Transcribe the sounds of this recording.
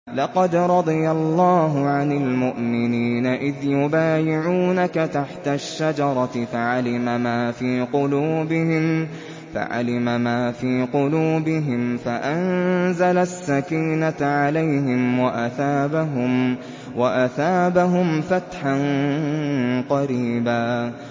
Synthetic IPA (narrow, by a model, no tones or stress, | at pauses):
lɑqɑd̪ɾˤɑd̪ˤɨjalˤːɑːɦʊʕanɪlmʊʔmɪniːnaʔɪðjʊbaːjɪʕuːnakat̪aħt̪aʃːad͡ʒɑɾˤɑɪfaʕalɪmamaːfiːqʊluːbɪhɪm | fa̰ʕa̰lɪmamaːfiːqʊluːbɪɦɪmfaʔanzalasːakiːnaʕalajɦɪmwaʔaθaːbaɦʊm | waʔaθaːbaɦʊmfat̪ħan | qɑɾiːbaː